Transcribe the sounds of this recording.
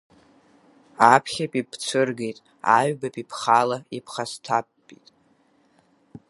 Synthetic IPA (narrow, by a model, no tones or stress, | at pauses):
apʰχʲapʼipʰt͡sʰɨrɡejtʼ | aɥbapʼipʰχalaipʰχastʰapːʼitʼ